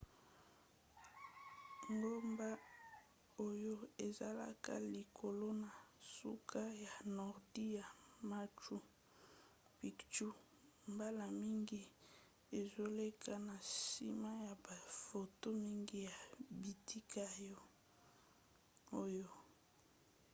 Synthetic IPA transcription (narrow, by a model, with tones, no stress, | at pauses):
ŋɡo˦mba˦ | o˦jo˦e˨za˦la̰˦ka̰˦li˨kʰo˨lo˦na˨sṵ˦kʰa˦ja˨nɔ˨ʁdi˦ja˨ma˦t͡ʃu˦ | pi˨kt͡ʃu˦ | mba˦la˨mi˦ŋɡi˦ | e˨zo˦le˦kʰa˦na˨sḭ˦ma˦ja˨ba˨fo˨to˦mi˦ŋɡi˦ja˨bi˨ti˦ka˦jɔ˦ | o˦jo˦